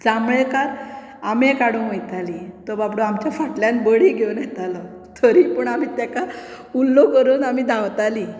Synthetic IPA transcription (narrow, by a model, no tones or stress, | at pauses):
d͡zamɭekaɾ | amẽkaɽũnʋəjt̪alit̪əbapɽoamt͡ɕjafaʈljanbəɽiːɡʱewnjɛt̪alɔ | t̪ʰəɾiːpəɳam̤iːt̪jaka | ulːokəɾuːnam̤iːd̪ʱawt̪ali